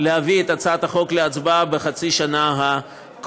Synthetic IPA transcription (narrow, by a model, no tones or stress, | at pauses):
lehaviet̪at͡sat̪aχo̞kleat͡sbabeχat͡siʃanaɦa | k